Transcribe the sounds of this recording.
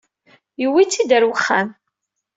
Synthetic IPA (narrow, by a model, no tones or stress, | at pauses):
jəwit͡sːid̪əɾwəχːæm